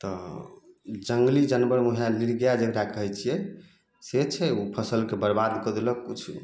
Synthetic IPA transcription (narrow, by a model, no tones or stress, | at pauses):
t̪ɔ | d͡ʒəŋɡlid͡ʒənbəɾmuɦaliɾɡjad͡ʒəkɾakəɦɛt͡ʃʰijɛ | set͡ʃʰɛupʰəsəlkebəɾbad̪kəd̪eləkkut͡ʃʰ